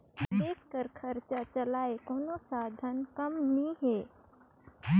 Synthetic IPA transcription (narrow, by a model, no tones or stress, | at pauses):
d̪eːkkəɾkʰəɾt͡ʃat͡ʃəlaːekoːnosaːd̪ʱənkəmniɦe